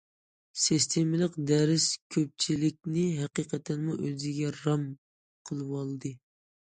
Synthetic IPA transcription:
sist̪ʰemɪlˠəqd̪ɛɾɪskʲʰøp̚t͡ʃʰilɪk̚ʲnɪɦɛqiqʰət̪ɛnmuʔøzɪɡʲɛɾɑm | qʰəlˠɨwɑlˠd̪ɨ

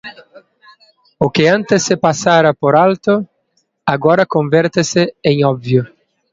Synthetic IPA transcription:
ʊkɪãnt̪ɪsːɪpasaɾɐpoɾalt̪ʊ | aɡɔɾɐkõɱvɛɾt̪ɪsɪẽŋɔbvjʊ

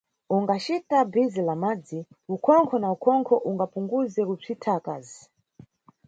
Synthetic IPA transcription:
uŋɡat͡ʃitabizilamad͡zi | ukʰɔŋkʰɔnaukʰɔŋkʰɔʔuŋɡapuŋɡuzɛkub͡ʐʰitʰaka̰zi

